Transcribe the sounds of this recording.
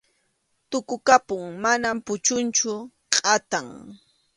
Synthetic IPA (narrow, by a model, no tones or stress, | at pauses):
t̪ʊkʊkapʊŋmanampʊt͡ʃʊnt͡ʃʊ | qʼat̪aŋ